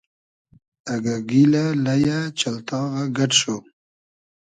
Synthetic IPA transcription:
aɡaɡilalajat͡ʃalt̪ɑːɣaɡaʈʃo

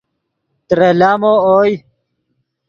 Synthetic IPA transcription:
t̪ɾelaːmooːj

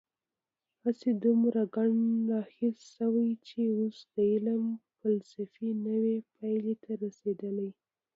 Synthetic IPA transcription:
hased̪umɾaɡaɳlɑxɪlʃawajt͡ʃeosd̪̥əɪləmfalsafinəwepʰajlet̪ʰaɾased̪əlaj

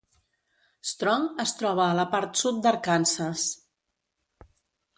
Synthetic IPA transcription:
st̪ɾɔŋəst̪ɾɔβ̞əːləpaɾt̪sut̪̚d̪əɾkansəs

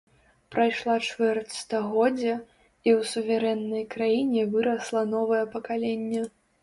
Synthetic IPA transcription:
pɾajʂlˠat͡ʂvɛrt̪st̪ɐɣɔd͡zʲːɐ | iwsuvʲaɾɛnːɐjkɾajinʲɛvɨɾɐslˠɐnɔvɐjɛpɐkalʲenʲːɛ

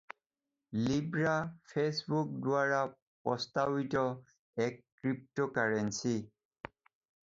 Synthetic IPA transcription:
libɹapʰesbuk̚dʊaɹa | pɔstabitɔ | ɛkːɹip̚tɔkaɹensi

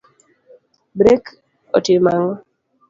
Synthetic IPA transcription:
bɾek | ɔ̰tɪmaŋɔ

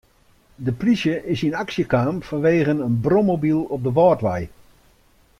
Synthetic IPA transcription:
dəplisjəʔɪsinaksjəkaːmfɔnʋeːɣənənbromobilˠɔp̚dəʋɔːtʋɛj

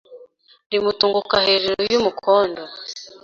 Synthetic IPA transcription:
ɾimutuŋɡukaheɾeɾojumukʰoːndo

